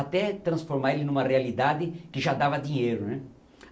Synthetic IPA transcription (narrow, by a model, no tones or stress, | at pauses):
at̪ɛt̪ɾɐ̃sfoɾmaɾelɪnũmɐrealid̪ad̪ɪkɪʒad̪avɐd̪iɲejɾʊnɛ